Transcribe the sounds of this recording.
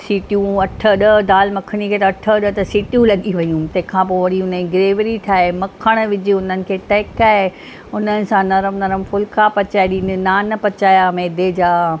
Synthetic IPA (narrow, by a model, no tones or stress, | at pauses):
siːʈjũɐʈʰəɗəd̪aːlmɐkʰɽ̃ikʰeːt̪ɐɐʈʰəɗət̪ɐsiːʈjũlɐɠiʋɐjũt̪ɐ̃ɦɪ̃kʰãp̬oːʋɐɽiʊnĩɡɪɾeːʋəɾiʈʰaːemɐkʰəɽ̃ʋɪd͡ʑiʊnənɪ̆kʰeːʈɐːkaːe | ʊnənɪ̆sãnɐɾəmnɐɾəmfʊlkʰapɐt͡ɕaːeɗiːnɪ̆naːnɐpɐt͡ɕaːjameːd̪ed͡ʑaː